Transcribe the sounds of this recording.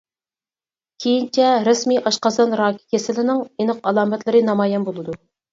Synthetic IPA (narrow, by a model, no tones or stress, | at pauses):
kʲʰejint͡ʃʰɛɾesmiʔɑʃqɑsɑnɾɑːkʲʰi̥kʲʰesɪlɪnɪŋenɨqɑlˠɑːmɛt̪lˠɨɾɨnɑmɑːjɛnbolˠɨd̪u